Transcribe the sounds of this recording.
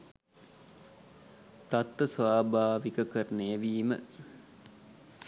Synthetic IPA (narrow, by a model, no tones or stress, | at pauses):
t̪at̪ːəsʋaːbaːʋikəkəɾənəeʋiːmə̰